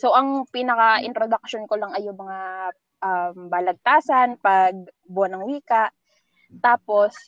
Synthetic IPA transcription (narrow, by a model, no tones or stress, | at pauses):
soʔɐŋpiːnɐkɐʔɪ̰nt̪ɾod̪ɐk̚ʃonkolaŋɐjːʊŋmɐŋa | ʔɐmbaːlɐɡ̚t̪aːsɐnpɐɡ̚ | bʊɐnɐŋwiːkɐʔ | t̪aːpo̞s